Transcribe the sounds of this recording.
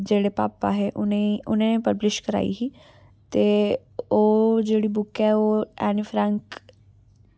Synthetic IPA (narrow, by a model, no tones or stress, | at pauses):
d͡ʒeːɽepa̰ːpaɦeʔʊneʊnẽnẽpəblɪʃkəɾa̰ːḭɦiː | t̪eː | oːd͡ʒeːɽibʊkɦɛoːɛːnifʰɾãŋk